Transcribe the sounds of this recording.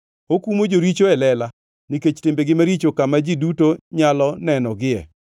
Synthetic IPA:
okumod͡ʒoɾit͡ʃoɛlɛla | niket͡ʃtɪmbeɡɪmaɾit͡ʃokamad͡ʒidutoɲalɔnɛnɔɡɪɛ̰

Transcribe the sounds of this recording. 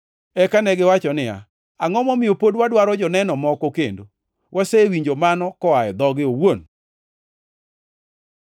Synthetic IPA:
ɛkanɛɡɪwat͡ʃɔnɪa̰ | aŋɔmɔmɪjopodwadwaɾɔd͡ʒɔnɛnɔmɔkɔkḛndo | wʔasewiɲd͡ʒomanɔkɔajɛd̪ɔɡɪowon

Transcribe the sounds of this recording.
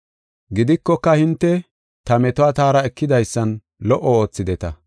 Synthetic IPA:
ɡɪd̪ɪkːɔkːɐhɪnt̪ːɛ | t̪ɐmɛt̪ɔwaːt̪aːɾɐɛkːɪd̪ɐjsːɐn | lɔʔɔo̞ːt͡sːɪd̪ɛt̪ɐ

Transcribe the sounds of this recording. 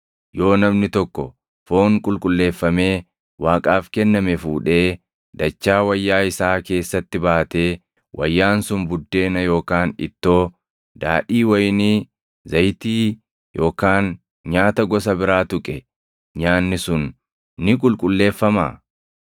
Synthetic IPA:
jo̞ːnɐmnɪt̪ɔkːɔ̰ | fo̞ːŋkʼʊlkʼʊlːe̞ːfːɐme̞ː | waːkʼaːfkɛnːɐmɛfuːᶑe̞ː | d̪ɐt͡ʃːaːwɐjːaːɪsaːke̞ːsːɐt̪ːɪbaːt̪e̞ː | wʔɐ̰jːaːnsʊnbʊd̪ːe̞ːnɐjo̞ːkaːnɪ̰t̪ːo̞ː | d̪a̰ːᶑiːwɐjni | zɐjt̪iː | jo̞ːkaːn | ɲaːt̪ɐɡɔs̬ɐbɪɾaːt̪ʊkʼɛ | ɲaːnːɪsʊnː | ɪkʼʊlkʼʊlːe̞ːfːɐma̰ː

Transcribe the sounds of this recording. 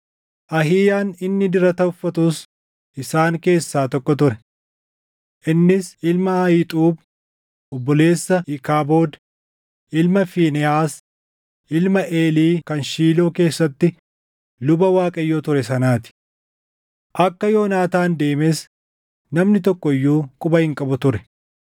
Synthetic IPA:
ʔɐɦiːjaːnɪnːɪd̪ɪɾɐt̪ɐʊfːɐt̪ʊs | ʔɪsaːŋke̞ːsːaːt̪ɔkːɔt̪ʊɾɛ | ʔɪnːɪsʔɪlmɐɐjɪt̪ʼuːb | ɔbːɔle̞ːsːɐɪkaːboːd̪ | ʔɪlmɐfiːnɛaːs | ʔɪlmɐʔe̞ːliːkɐnʃiːloːke̞ːsːɐt̪ːɪ | lʊbɐwaːkʼɐjːoːt̪ʊɾɛsɐnaːt̪ɪ̥ | ʔɐkːɐjo̞ːnaːt̪aːnd̪e̞ːmes | nɐmnɪt̪̬ɔkːɔɪjːuːkʼʊbɐhɪŋkʼɐbʊt̪ʊɾɛ

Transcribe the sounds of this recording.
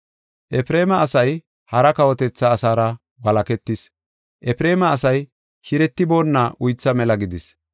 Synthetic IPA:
ʔɛpɾe̞ːmɐːsɐj | hɐɾɐkɐwɔt̪ɛt͡sːɐːsaːɾɐ | bɐlɐkɛt̪ːɪs | ʔɛpɪɾe̞ːmɐːsɐj | hɪɾɛt̪ːɪbo̞ːnːɐʔʊjt͡sːɐmɛlɐɡɪd̪ɪs

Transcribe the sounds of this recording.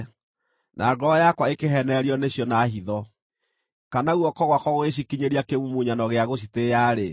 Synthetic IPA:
nʔa̰ːɡɔjakwaekeɦɛnɛɾiɔneɕjɔnaɦiðɔ | kanauɔkɔɣwakɔɣoeɕ̬ikiɲeɾiakemumuɲanɔɣeaɣoɕ̬itejaɾe

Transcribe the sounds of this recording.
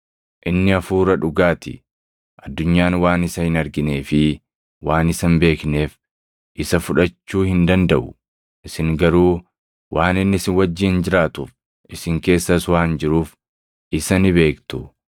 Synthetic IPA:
ʔɪnːɪɐfuːɾɐᶑʊɡaːt̪ɪ̰ | ʔɐd̪ːʊɲːaːnwaːnɪsɐhɪnɐɾɡɪne̞ːfɪ | waːnɪsɐnbe̞ːkne̞ːf | ʔɪsɐfʊᶑɐt͡ʃːuːhɪnd̪ɐnd̪ɐʔʊ | ʔɪsɪŋɡɐɾuː | wʔaːnɪnːɪsɪnwɐd͡ʒːɪːnd͡ʒɪɾaːt̪uf | ʔɪsɪŋke̞ːsːɐswaːnd͡ʒɪɾuːf | ʔɪsɐnɪbe̞ːkt̪ʊ

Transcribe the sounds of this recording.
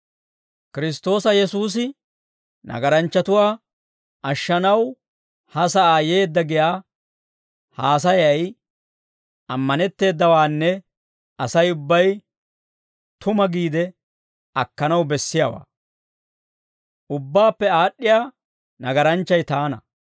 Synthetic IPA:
kɪɾɪs̬t̪o̞ːsɐjɛsuːs̬ɪ | nɐ̰ɡɐɾɐnt͡ʃːɐt̪ʊwaː | ɐʃːɐnɐw | hɐsɐʔaːje̞ːd̪ːɐɡɪjaː | haːs̬ɐjɐj | ʔɐmːɐnɛt̪ːe̞ːd̪ːɐwaːnːɛ | ɐsɐjʊbːɐj | t̪ʊmɐɡiːd̪ɛ | ɐkːɐnɐwbɛsːɪjawa̰ː | ʔʊbːaːpːɛaːɗːɪjaː | nɐɡɐɾɐnt͡ʃːɐjt̪aːnɐ̰

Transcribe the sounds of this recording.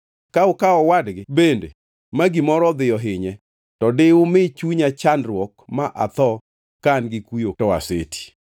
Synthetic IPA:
kaʊkaɔwadɡɪbendḛ | maɡimɔɾɔd̪ɪjɔɦɪɲɛ | tɔdɪʊmɪt͡ʃuɲat͡ʃandɾwɔkmaʔa̰t̪ɔ | kanɡɪkwujotɔa̰sḛtʰi̥

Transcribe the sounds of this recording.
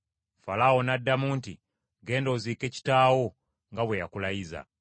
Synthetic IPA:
falawo̞nadːamuːnti | ɡe̞ːndoːziːke̞ci̥taːwo̞ | ŋɡaβwejakulajiza̰

